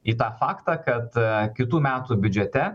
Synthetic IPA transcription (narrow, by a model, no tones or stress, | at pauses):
iːt̪ɑːfɑːkt̪ɑːkɐt̪kʲɪt̪uːmʲæːt̪uːbʲʊd͡ʒʲɛt̪ʲɛ